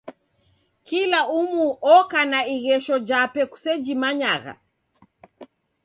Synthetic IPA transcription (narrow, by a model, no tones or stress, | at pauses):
kilaumuʔɔkanaiɣɛʃɔd͡ʒapɛku̥sɛd͡ʒimaɲaɣa̰